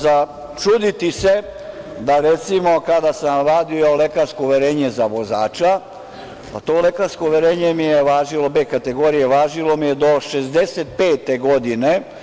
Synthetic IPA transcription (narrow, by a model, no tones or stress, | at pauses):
za | t͡ʃud̪it̪ise̞ | d̪aɾet̪simo̞kad̪asamɾaːd̪io̞lekaɾskouʋeɾeːɲe̞zaʋo̞za̰ːt͡ʃa | pat̪o̞ːlekaɾskouʋeɾe̞ːɲemijeʋaːʒilo̞bekat̪eɡo̞ːɾijeʋaːʒilo̞mijed̪o̞ʃezd̪e̞set̪̚peːt̪eɡo̞d̪ine